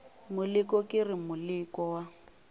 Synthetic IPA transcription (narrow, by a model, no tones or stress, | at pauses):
mʊlɪkʼɔkʼɪrɪmʊlɪkʼɔwa